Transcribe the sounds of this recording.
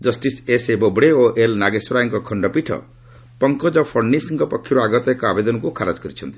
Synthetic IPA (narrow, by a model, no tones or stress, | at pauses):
d͡ʒʌsʈisesebɔbɽeoʔelnaɡesuɾajɔŋkɔkʰɔɳɖɔpiʈʰɔ̰ | pɔŋkɔd͡ʒɔpʰɔɾnisiŋkɔpɔkʰːiɾuaɡɔt̪ɔekɔabed̪ɔnɔkukʰaɾad͡ʒkɔɾit͡ʃʰʌ̰nt̪i̥